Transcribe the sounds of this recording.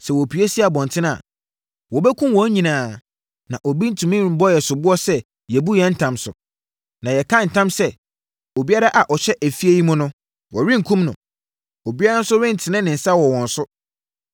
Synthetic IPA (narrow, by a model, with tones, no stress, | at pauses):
sɛ˨wɔ˨pʰi˨e˦si˦a˨bɔ̃˨n˨tʰɪ̃˦ñ˦a̰˨ | wɔ˨bɛ˦kʰũ˦mwɔ̃˨˦ɲĩ˨nãː˨ | nã̰˨ʔɔ˨bi˦n̩˦tʰũ˨mĩ˦bɔ˦jɛ˨sʊ˨bʊ˦ɔ˦sɛ˦ | jɛ˨bu˦jɛ̃˦n̩˦tʰã˨msʊ̰˨ | nã˨jɛ˨kʰã˦n̩˨tʰã˦msɛ˦ | o˨bi˦a˦ɾa˦ʔa˨ʔɔ˨ɕɛ˦ʔæ˨fi˦e˦ji˦mʊ̃˦nʊ̃˦ | wɔ˨ɾɪ̃˦ŋ˨kʰũ˦mnʊ̰̃˨ | o˨bi˦a˦ɾa˦n˦sʊ˦ɾɪ̃˦n˨tʰɪ˨nɪ̃˦nɪ̃˨n̩˨sa˦wɔ˨wɔ̃˨n˨sʊ˦